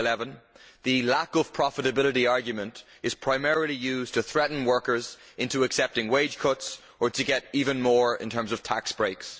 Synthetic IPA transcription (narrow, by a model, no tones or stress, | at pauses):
lɛvə̃nðɨlakʌv̥pʰɹ̥ɑfəɾəbɪlˠəɾiɑɹɡjɨmə̃nt | ɨz̥pʰɹ̥aɪmɛɹəl̩ˠijʉːztʰɨθɹɛʔn̩wɜ˞kə˞zɪ̃ntuɨksɛp̚tɪ̃ŋweɪd͡ʒʒ̥kʰʊts | ə˞ɾɨɡɛɾivə̃nmɔɹɪ̰̃ntʰɜ̃˞mzʌv̥tʰaksb̥ɹeɪks